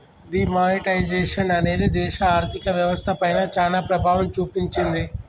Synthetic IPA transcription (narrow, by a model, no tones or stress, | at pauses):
d̪imaːniʈɐjd͡ʒeːʃɐnɐne̞ːd̪id̪ɛːʃɐaːɾt̪ʰikɐʋjɐʋɐst̪ʰɐpɐjnɐt͡ʃaːnapɾɐbʱaːʋɐmt͡ʃuːpiɲt͡ʃind̪i